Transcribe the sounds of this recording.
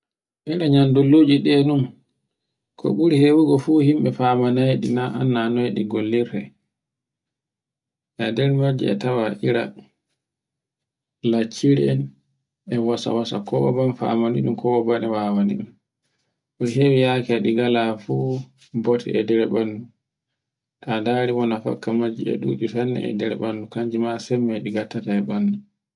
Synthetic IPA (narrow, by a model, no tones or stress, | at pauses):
ʔiɾaɲandulːoːd͡ʒiɗɛɗum | kʰɔ̰ɓuɾihewuɡɔfuːhimɓɛfamanajɗinaʔa̰nːanɔjɗiɡolːiɾɛ | ʔadɛɾmad͡ʒɛ̰ɛ̰tawaʔiɾa̰ | lat͡ʃːiɾɛn | ɛwasa̰wasa̰kɔɔbanfa̰maniɗumkɔwɔbanɛwawanḭɗum | ʔɔɦewijakɛɛɗiɡalafuː | bɔtʰɛ̰ʔɛdɛɾɛɓandu | tadaːɾiwɔnafa̰kːamad͡ʒḭɛ̰ɗut͡ʃusanːɛ̰ʔɛ̰dɛɾɛ̰ɓanːukaɲd͡ʒimasɛmːɛɗiɡatːataɛɓanːu